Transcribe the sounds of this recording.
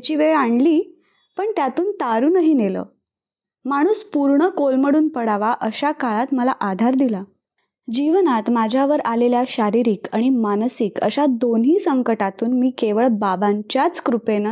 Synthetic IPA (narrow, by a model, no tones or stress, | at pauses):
t͡ɕiːʋeɭaɳliː | pəɳt̪jat̪uːnt̪aɾuːnəɦiːnelə̰ː | maɽ̃uːspuɾɳəkolməɽuːnpəɽaʋaʔəɕakaɭat̪məlaʔad̪ʱaɾd̪ila | d͡ʑiʋnat̪mad͡ʑʱjaʋəɾaleljaɕaɾiɾiːkaɽ̃imanəsikə̰ɕad̪onɦiːsəŋkəʈat̪uːnmiːkeʋəɭbabaɲt͡ɕjat͡skɾupen